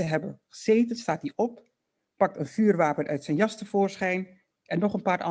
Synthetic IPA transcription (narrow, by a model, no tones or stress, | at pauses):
əɦɛbənχəz̥ejtənstaːt̚diʔɔpː | ɑk̚tənvyːrʋaːpənʔœ̰ɥtsɛjnjɑstəv̥ʊːɹsχɛjn | ʔɛnːɔχənpaːɹʔɑ